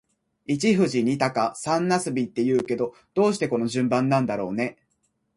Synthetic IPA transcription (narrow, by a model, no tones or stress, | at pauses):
it͡ɕiɸɯ̟ʑiɲ̟it̪akasãnːasɨbʲit̪ːe̞jɯ̟ːke̞d̪o̞ | d̪̥o̞ːɕ̬i̥t̪e̞ko̞no̞ʑɨ̃mbãnːãnd̪aɾo̞ːne̞